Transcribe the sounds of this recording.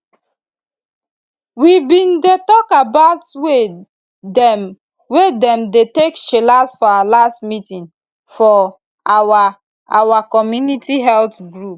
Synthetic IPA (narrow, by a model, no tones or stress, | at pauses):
wibĩndetɔkabaʊtwe | ɛ | wedɛ̃mdetekʃelasfɔawalastmitĩŋ | fɔ | awa | awakɔmjunitiɦɛltɡɹup̚